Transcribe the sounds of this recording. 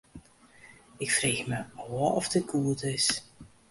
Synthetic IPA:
ɪkfreːxməɔwəɔfdɪt̚kʰuətɪs

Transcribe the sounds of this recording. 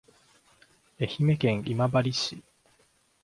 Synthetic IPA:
e̞çime̞kẽ̞ŋ̃imabaɾʲiɕi

